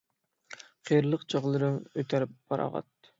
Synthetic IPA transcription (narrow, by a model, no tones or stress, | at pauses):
qʰijɾlˠəqt͡ʃʰɑʁlˠɨɾɯnøt̪ʰæɾɪp̚ːɑɾɑ̰ʁɑ̰t̪ː